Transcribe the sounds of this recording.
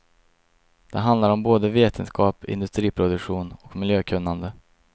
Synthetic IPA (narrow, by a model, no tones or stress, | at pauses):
d̪̥ɛɦand̪laɾɔmboːd̪əveːt̪ʰənskʰɑːpɪ̰nd̪ɵst̪ɾiːpʰɾʊd̪ɵkɧuːnɔkmɪljøːkʰɵnːand̪ə